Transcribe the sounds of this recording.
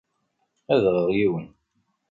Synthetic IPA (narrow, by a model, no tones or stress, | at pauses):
æðʁəʁjiwən